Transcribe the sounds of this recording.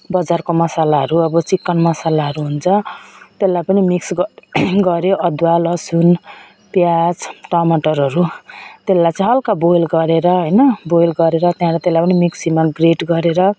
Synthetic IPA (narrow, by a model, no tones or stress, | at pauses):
bʌd͡zarkomʌsalaɦʌɾuʌbʌt͡sikːʌnmʌsalaɦʌɾuɦunt͡sʰʌt̪elːajpʌnimiksɡɡʌɾjoʔʌd̪walʌsun | pjad͡zʈamaʈʌɾɦʌɾut̪elːajt͡sʌĩɦʌlkabojlɡʌɾeɾʌɦʌjnʌbojlɡʌɾeɾʌt̪jãlat̪elajpʌnimiksimaɡreʈɡʌɾeɾʌ